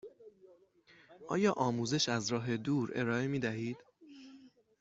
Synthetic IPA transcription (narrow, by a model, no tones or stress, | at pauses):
ʔɒ̰ːjɒːʔɒːmuːze̞ʃæzɾɒːɦe̞d̪uːɾe̞̰ɾɒːe̞miːd̪æhiːd̪̥